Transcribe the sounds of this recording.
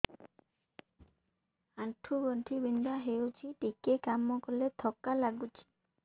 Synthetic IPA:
aʈʰːubɔɳʈʰibind̪aɦewt͡ʃʰiʈikekamːɔkɔlet̪ʰɔkːalaɡut͡ʃʰi̥

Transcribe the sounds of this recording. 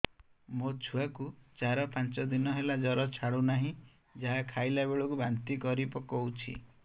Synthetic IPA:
mot͡ʃʰuakut͡ʃaɾɔpant͡ʃɔd̪inɔɦelad͡ʒɔɾɔt͡ʃʰaɽunaɦĩ | d͡ʒaɦakʰajlabeɭɔkubant̪ikɔɾipɔkɔut͡ʃʰḭ

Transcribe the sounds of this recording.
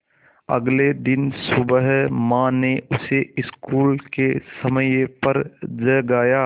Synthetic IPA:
ɐ̰ɡled̪ɪnsʊbəɦmãːneʊseɪskuːlkesəmjpəɾd͡ʒəɡaːjaː

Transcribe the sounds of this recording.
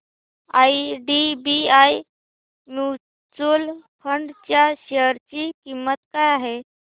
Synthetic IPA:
aiɖibiaj | mu | t͡sulpʰəɳɖt͡ɕjaɕeəɾt͡ɕiːkimːət̪kajaɦe

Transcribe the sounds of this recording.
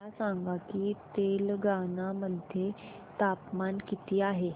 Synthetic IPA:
asaŋɡakiːt̪elɡanaməd̪ʱje | t̪apmankit̪iːaɦe

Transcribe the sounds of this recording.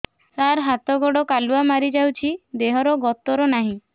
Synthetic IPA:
saɾɦat̪ɔɡɔɽɔkaluamaɾid͡ʒawt͡ʃʰid̪eɦɔɾɔɡɔt̪ɔɾɔnaɦĩ

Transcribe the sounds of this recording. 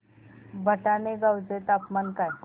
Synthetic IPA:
bʱəʈaneɡawd͡ʒet̪apmanka

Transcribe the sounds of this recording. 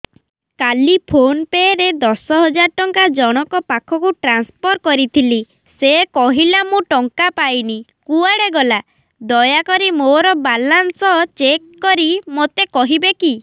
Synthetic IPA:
kalipʰonpeɾed̪ɔsɔɦɔd͡ʒaɾʈɔŋkad͡ʒɔɽ̃ɔkɔpakʰɔkuʈɾanspʰɔɾkɔɾit̪ʰili | sekɔɦilamũʈɔŋkapajnikuaɽeɡɔla | d̪ɔjakɔɾimoɾɔbalansɔt͡ʃekːɔɾimot̪ekɔɦibeki

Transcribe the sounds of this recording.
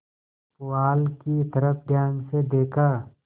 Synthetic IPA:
pʊaːlkit̪ɐɾəfʰd̪jãːŋɡsed̪eːkʰaː

